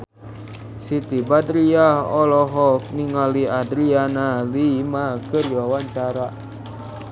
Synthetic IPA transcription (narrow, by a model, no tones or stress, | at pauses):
sit̪ibadɾiaɦɔlɔɦɔk̚niŋaliadɾianalimakəɾjɔwaɲt͡ʃaɾa